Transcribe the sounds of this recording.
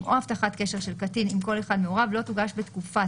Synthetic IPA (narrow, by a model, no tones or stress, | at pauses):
ʔohaftaχatke̞ʃeʃe̞lkatinimko̞leχad̪meoʁavlo̞tuɡaʃbetkufa